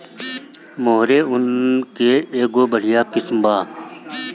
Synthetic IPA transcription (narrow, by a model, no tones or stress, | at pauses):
moːɦɾeːʊnkeeːɡoːbəɽ̤ijaːkɪsmbaː